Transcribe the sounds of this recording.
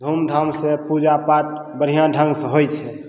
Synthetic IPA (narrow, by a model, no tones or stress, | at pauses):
d̪ʱumd̪ʱəmsẽpud͡ʒapaʈ̚ | bəɾ̤ijãɖʱə̃ŋɡsə̃ɦojt͡ʃʰɛ